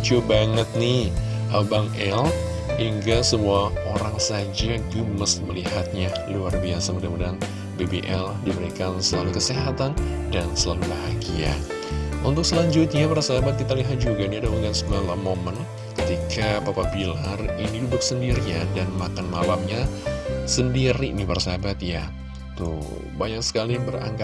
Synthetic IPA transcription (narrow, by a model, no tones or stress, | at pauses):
t͡ʃobaŋət̪̚nɪ | ʔabaŋɛl | hiŋɡasəmuaoɾaŋsad͡ʒaɡəməsməlihat̪̚ɲaluarbiasamədamədan | bebeʔɛldiməɾekansəlalukəseɦat̪an | dansəlalubaɦaɡia̰ | ʔunt̪ʊk̚səlaɲd͡ʒʊt̪̚ɲapəɾasabat̪̚kit̪aliɦat̪̚d͡ʒuɡainiadauŋɡansəkalamomən | kət̪ikapapabilarinidudʊk̚səndiɾijadanmakanmabap̚ɲasəndiɾinipaɾasabat̪̚ja | t̪ṵ | baɲak̚sə̥kalibəra̰ŋɡa